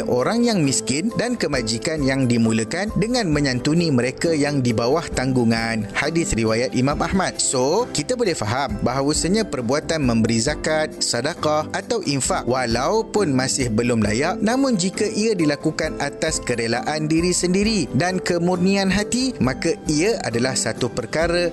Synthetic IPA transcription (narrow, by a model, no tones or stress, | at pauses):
ʔoɾaŋjaŋmiskɪndankəmad͡ʒikanjaŋdimũləkandəŋãnmə̃ɲãnt̪unimə̃ɾekajaŋdibawaht̪aŋɡuŋanhadɪt̪riwajat̪̚ʔimãmʔahmat̪̚sokit̪abolɛhfaɦambaɦawasəɲãpərbuat̪anmə̃mbəɾizakat̪̚sadakaʔat̪awʔiɱfaʔwalaupʊnmãsɪhbəlʊmla̰jaʔnãmʊ̃nd͡ʒikaʔiədilakukanat̪askəɾelaʔandiɾisəndiɾidankəmurnianɦat̪imãkaiaʔa̰dalahsat̪upərkaɾə